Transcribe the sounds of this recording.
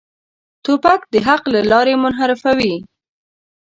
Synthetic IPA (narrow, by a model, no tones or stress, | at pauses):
t̪opakd̪əɦaqlalɑɾemʊnɦaɾɪfawi